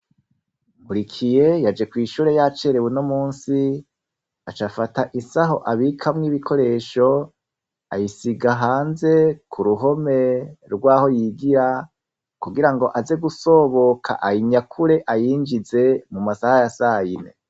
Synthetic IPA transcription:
ŋɡuɾikʰije̞jad͡ʒe̞kwiːʃuːɾe̞jat͡ʃeɾewunomuːnsi | at͡ʃafataʔisaɦo̞ʔaβikʰamŋiːβikʰo̞ɾe̞ːʃo̞ | a̰jisiɡaɦaːnze̞kʰuɾuɦo̞me̞ɾɡwaːho̞jiɡiɾa | kuɡiɾaŋɡo̞ʔaze̞ɡuso̞βo̞kʰa̰ʔajiɲakʰuɾe̞ʔajiːnd͡ʒize̞mumasahajasajinḛ

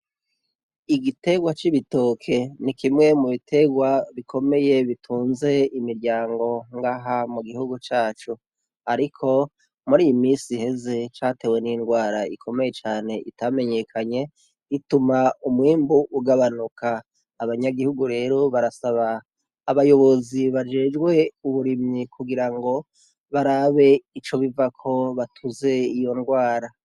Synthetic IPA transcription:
iɡite̞ɡwat͡ʃiβito̞ːkʰe̞nikʰimŋe̞muβitʰe̞ɡwaβikʰo̞me̞je̞βitʰuːnze̞imiɾɟaːŋɡo̞ŋɡaːɦamuɡihuɡut͡ʃaːt͡ʃu | aɾikʰo̞ | muɾiːjimiːsihe̞ze̞t͡ʃate̞we̞ninɡwaːɾaikʰo̞me̞je̞t͡ʃaːne̞ʔitame̞ɲe̞kʰaɲe̞ | itumaumwiːmbuʔuɡaβanukʰaː | βaɲaɡihuɡuɾe̞ːɾo̞βaɾasaβaː | βajo̞βo̞ziβad͡ʒe̞ːd͡ʒɡwe̞uβuɾimɲikʰuɡiɾaŋɡo̞ | βaɾaβe̞it͡ʃo̞βivakʰo̞βatʰuze̞ijo̞nɡwaːɾa

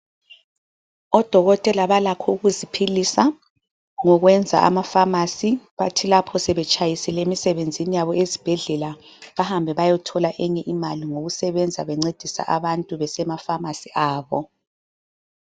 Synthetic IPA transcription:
ɔd̥ʱɔɣɔtʼɛlaβalakʰɔuɣuzipʰilisa | ŋɔɣwɛnd͡zʱa̰ʔa̰mafamasiβatʰilapʰɔsɛβɛt͡ʃʼajisɛlemisɛβend͡zʱinijaβɔezib̥ʱɛɮɛla | βahambʱɛβajɔtʰɔlaʔɛɲɛʔimaliŋoɣusɛβɛnd͡zʱaβɛŋ͡ǀed̥ʱisa̰ʔaβantʼuβɛsɛmafamasiʔaːβɔ

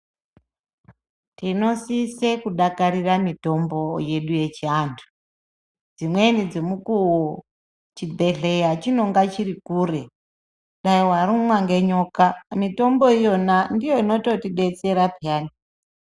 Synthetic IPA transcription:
tino̞sisekuɗakaɾiramito̞mbo̞je̞ɗuje̞t͡ʃiaːntʰu̥ | d͡zimwenid͡zemukuwo | t͡ʃibʱe̞ɮe̞jat͡ʃino̞ŋɡat͡ʃirikuːre̞ | ɗaiwaɾumwaŋɡe̞ɲo̞kamito̞mbo̞ijo̞nandijo̞ino̞to̞tiɗe̞t͡se̞ɾapjaːni

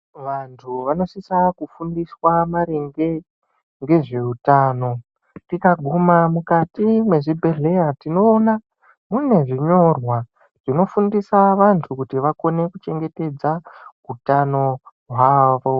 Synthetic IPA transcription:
ʋantʰuʋano̞sisakufundiswamaɾeŋɡe̞ | ŋɡe̞ʐe̞utaːno̞ | tikaɡʱumamukatimwe̞ʐibʱe̞ɮe̞jatino̞ːna | mune̞ʐiɲo̞rwa | ʐ̥ino̞fundisaʋantʰukutiʋako̞ne̞kut͡ʃe̞ŋɡe̞te̞d͡za | utano̞ | ɦwaːʋo̞

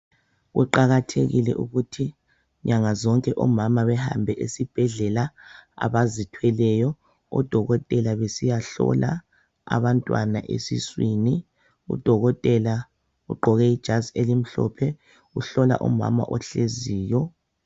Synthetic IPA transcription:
ɣuǃaɣatʰeɣilɛ̰ʔuɣutʰi | ɲaŋazɔŋkʼɛʔɔmamaβɛha̰mbʱɛʔesib̥ʱɛɮɛlaa̰βazitʰwɛlɛjɔ | ɔ̰d̥ʱɔɣɔtʼɛlaβesijaɬɔ̰la̰ | a̰βantʼwa̰na̰ʔḛsḭswiːni | ṵd̥ʱɔɣɔtʼɛla | uɡ͡ǃʱɔɣɛid̥ʒ̥ʱazelim̩ɬɔ̰pʰɛ | uɬɔla̰ʔṵma̰ma̰ʔɔɬeziːjɔ

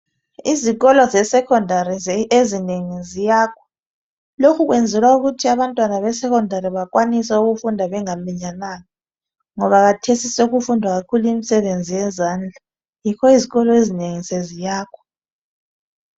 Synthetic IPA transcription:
iziɣɔlɔzɛsɛkʰɔndʱaɾiezineŋizijaːkʰɔ̥ | lokʰuɣwɛnd͡zʱɛlwauɣutʰiaβantʼwanaβɛsɛkʰɔndʱaɾiβakʼwanisɛuɣufundʱaβɛŋamiɲanaːŋɔ | ŋɔβaɣ̬atʰesisouɣufundʱwaɣakʰuluimisɛβend͡zʱijɛzaːnd͡ɮʱa | jikʰɔiziɣɔlɔezineŋisezijaːkʰɔ̥

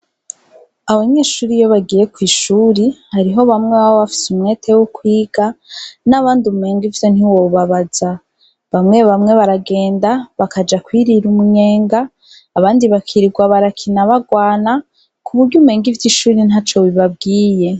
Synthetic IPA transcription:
aβaɲe̞ːʃuːɾijo̞βaɡije̞kwiːʃuːɾihaɾiɦo̞βamŋe̞βaβoβafi̥sumŋe̞ːtʰe̞wokwiːɡ̥anaβaːndumume̞ːŋɡivjo̞n̥hiwoβaβaz̥a | βamŋe̞βamŋe̞βaɾaɡe̞ːndaβakad͡ʒakwiːɾiɾumuɲe̞ːŋɡaː | βaːndiβakʰiɾiɡwaβaɾakʰinaβaɡwaːna | kʰuβuɾɟumeːŋɡivjiʃuːɾinat͡ʃo̞βiβab̚ɡiːje̞

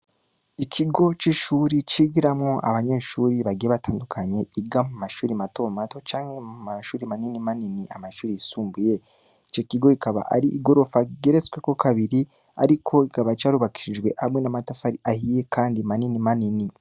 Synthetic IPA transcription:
ikʰiɡot͡ʃiʃuːɾit͡ʃiɡiɾamŋoʔa̰βaɲeːʃuːɾiβaɡieβataːndukʰaɲe̞iɡamumaʃuːɾimatomato̞t͡ʃaːŋhe̞umaʃuːɾimaninimaniniʔamaʃuːɾijisuːmbuje̞ | it͡ʃoikiɡo̞ikaβa̰ʔa̰ɾiʔɡo̞ɾo̞faɡeɾet͡swe̞ko̞kʰaβiɾi | a̰ɾikʰo̞ikaβait͡ʃaːɾuβaki̥ʃid͡ʒɡwe̞ʔamŋenamatafaɾiʔahije̞kʰaːndimaninimanini

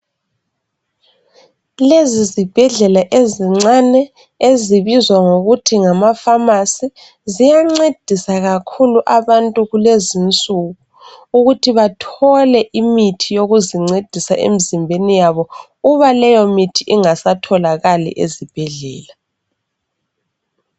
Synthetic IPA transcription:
lezizib̥ʱɛɮɛlaʔeziŋ͡ǀanɛ | eziβizwaŋoɣutʰiŋamafamasi | zijaŋ͡ǀed̥ʱisaɣakʰuluʔaβantʼuɣulezint͡sʼuɣu | uɣutʰiβatʰɔlɛʔimitʰijoɣuziŋ͡ǀed̥ʱisa̰ʔḛmizimbʱenijaβɔ | uβalɛjɔmitʰiʔiŋasatʰɔlaɣalḭʔezib̥ʱɛɮɛːla

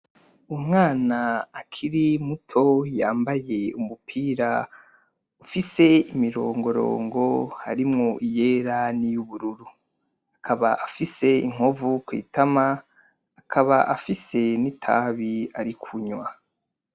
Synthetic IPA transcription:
umŋaːnaːkʰiɾimutʰo̞jaːmbaje̞umupʰiːɾa | ufise̞imiɾo̞ːŋɡo̞ɾo̰ːŋɡo̞ha̰ɾimŋo̞ʔije̞ːɾanijuβuɾuɾu | akʰaβaʔafise̞iŋ̥ovukwḭːtʰamaː | kʰaβaʔafise̞nitʰa̰βiaɾikʰuɲwa

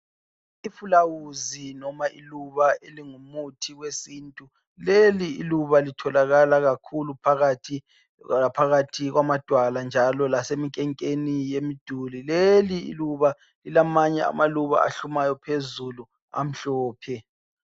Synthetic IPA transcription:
ifulawuzinɔmaʔiluβaeliŋumutʰiɣwesiːntʼu | leliḭluβalitʰɔlaɣalaɣakʰulupʰaɣatʰi | apʰaɣatʰiɣwamad̥ʱwaland͡ʒʱalɔlasemikʼɛŋkʼenijemid̥ʱulileliḭluβa | lilamaɲɛa̰maluβa̰a̰ɬumajɔpʰezulu | a̰m̩ɬɔːpʰɛ

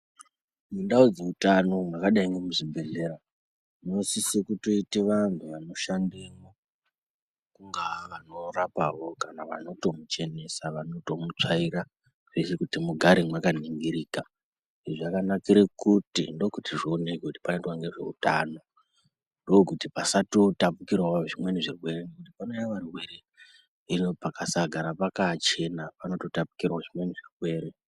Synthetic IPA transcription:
mundaud͡zeutano̞mwakaɗaiŋɡemuʐibʱe̞ɮe̞ɾa | noisisekuto̞iteʋantʰuʋano̞ʃandimo | kuŋɡaʋano̞rapaʋo̞kanaʋa̰no̞to̞mut͡ʃe̞ne̞saʋano̞to̞mut͡ʂaiɾa | ʐesekutimuɡʱaɾimwakaniŋɡiɾiːka | iʐʐakanakiɾekutḭndo̞kutiʐoonekkekuti̥panetwaŋɡe̞ʐe̞̰ṵtaːno̞ | ndokutipasato̞tapukirwaʐimwe̞niʐirwe̞ɾenekutipano̞jaʋariweɾe | inopakasaɡʱaɾapakat͡ʃe̞napano̞to̞tapu̥kiraoʐimwe̞niʐirwe̞ːɾe

